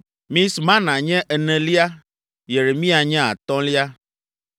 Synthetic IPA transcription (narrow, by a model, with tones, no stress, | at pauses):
mĩ˦smã˦nã˨ɲɛ̃˦ʔɛ˨nɛ̃˨li˦a˦ | je˨ɾe˨mĩ˦a˨ɲɛ̃˦a̰˨t̪ɔ̃˦li˦a˦